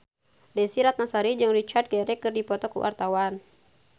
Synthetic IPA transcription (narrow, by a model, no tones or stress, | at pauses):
dɛsiɾat̪̚nasaɾid͡ʒɨŋɾit͡ʃat̪̚ɡɛɾɛkɨrdipɔt̪ɔkṵwʔa̰rt̪awan